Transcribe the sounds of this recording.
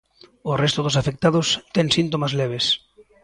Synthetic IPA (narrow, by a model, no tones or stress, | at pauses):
orɛst̪ʊðʊsafek̚t̪aðʊst̪ɛŋsint̪̬omazlɛβ̞es